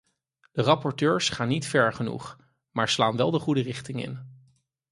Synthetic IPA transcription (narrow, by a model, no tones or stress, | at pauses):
d̥ərɑpɔɹtøːɹsχaːnːitfɛɹχənṵχ | maːɹslaːnʋɛlˠdəχudərɪχtɪŋɪ̰n